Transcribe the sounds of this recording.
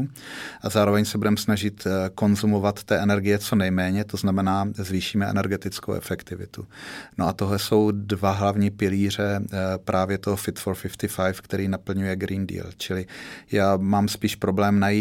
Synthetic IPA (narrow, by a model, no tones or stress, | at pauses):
uʔazaːɾo̞vɛɲsɛbudɛmsnaʒɪt̪ko̞nzumo̞vat̪ːɛʔɛnɛɾɡɪjɛt͡so̞nɛjmɛːɲɛt̪o̞znamɛnaːzviːʃiːmɛʔɛ̰nɛɾɡɛt̪ɪt͡sko̰wʔɛ̰fɛkt̪ɪvɪ̰t̪uno̞ʔat̪o̞ɦlɛso̞wdvaɦlavɲiːpɪliːr̝ɛpɾʔaːvjɛt̪oɦofɪt̪foɾfɪft̪ɪfajfkt̪ɛɾiːnapl̩ɲujɛɡɾiːndḭːlt͡ʃɪlɪjaːmaːmspiːʃpɾo̞blɛːmnajiː